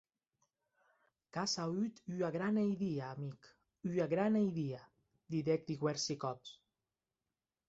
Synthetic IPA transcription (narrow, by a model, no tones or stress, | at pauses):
kasayt̪yaɣɾanejðiaːmik | yaɣɾanajðia | d̪iðɛk̚d̪iɣwɛɾsikɔps